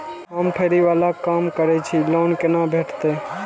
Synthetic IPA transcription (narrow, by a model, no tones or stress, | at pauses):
ɦəmʈʰeːɾiʋaːlakaːmkəɾɛt͡ʃʰiloːnkenabʱeːʈʰt̪e